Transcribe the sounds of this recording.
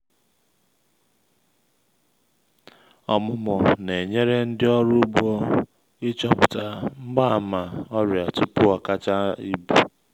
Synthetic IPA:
ɔ˨mʊ˦mɔ˨ne˨ɲe˦ɾe˦n̩˦dɪ˦ɔ˦ɾʊ˦bɔ˦ | ɪ˦t͡ʃɔ˦pʊ˨ta˦m̩˦ɡ͡ba˦˨ma˨ɔ˦ɾja˨tʊ˦pʊ˦a˨ka˦t͡ʃa˦i˦bu˨

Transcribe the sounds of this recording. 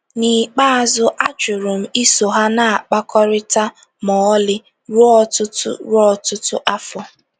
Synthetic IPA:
ni˨k͡pa˦a˨zʊ˦ʔa˦t͡ʃʊ˨ɾʊ˨m̩˦i˦so˨ɦa˦na˨a˨k͡pa˦kɔ˦ɾɪ˦ta˦ | mɔ˨ɔ˦lɪ˦ | ɾʊ˦ɔ˦tʊ˦tʊ̰˦ɾʊ˦ɔ˦tʊ˦tʊ˦ʔa˦fɔ˦

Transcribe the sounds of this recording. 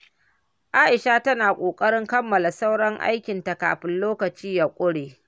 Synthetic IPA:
ʔaː˦ʔɪ˨ʃa˦tɐ˦naː˨kʷʼoː˨kʼɐ˦ɽɪ˦ŋkɐ˦mːɐ˨la˨sa˦wɽɔ˦ŋʔa̰˦jkʲɪ˨nta˨ka̰ː˨ɸɪ˦nloː˦kɐ˨t͡ʃiː˦ja˨kʷʼʊ˦ɽeː˨

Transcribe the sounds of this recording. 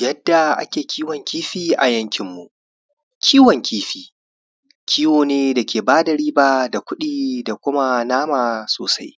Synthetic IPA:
jɐ˦dːa˨ʔa̰˦kʲeː˨kʲʰiː˦wɐ˨ŋkʲiː˦ɸiː˦ʔa˨jɐ˦ŋkʲɪ˨mːu˨ | kʲʰiː˦wɔ˨ŋkʲʰiː˦ɸiː˨ | kʲʰiː˦woː˨neː˦da˨kʲeː˨baː˦dɐ˨ɾiː˦baː˦da˨kʷʊ˦ɗiː˦da˨kʷʊ˦ma˦naː˦maː˨soː˨sa˦j

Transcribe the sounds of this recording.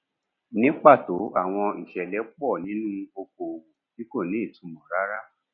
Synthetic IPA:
nĩ˦k͡pa˦˨to˨˦a̰˦˨w̃ɔ̃˧i˨ʃɛ˨lɛ˨˦k͡pɔ˦˨nĩ˨˦nũ˦o˧ko˨˧wu˧ki˦ko˦˨nĩ˨˦i˦˨tũ˨˧mɔ̃˨ɾa˦ɾa˦

